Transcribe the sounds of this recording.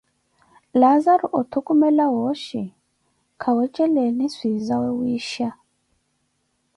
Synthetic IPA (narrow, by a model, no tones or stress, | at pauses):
lazaɾuʔɔt̪ʰukumɛlawoʃi | kʰawɛt͡ʃʼɛlɛniswizawɛwiːʃa